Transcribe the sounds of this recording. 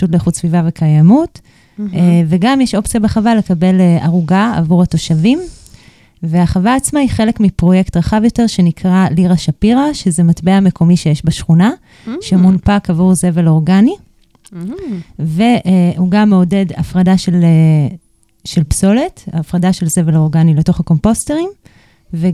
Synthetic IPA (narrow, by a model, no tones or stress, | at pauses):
ʃut̬leχutsvivavekʰajamut | veɡamjeʃo̞pt͡sijabeχavale̞kabe̞laʁuɡaa̰vuʁhato̞ʃavim | veaχavaːt͡smaiχelekmipʁo̞je̞ktʁaχavjo̞te̞ʁʃe̞nikʁaliʁaʃapiʁaʃezematbeame̞ko̞miʃejeʃbaʃχuna | ʃemunpakavuʁze̞velo̞ʁɡani | ve̞ʔuɡamːeo̞de̞da̰fʁadaʃele | ʃelpso̞letaːfʁadaʃelze̞velo̞ʁɡanile̞to̞χako̞mpo̞ste̞ʁim | ve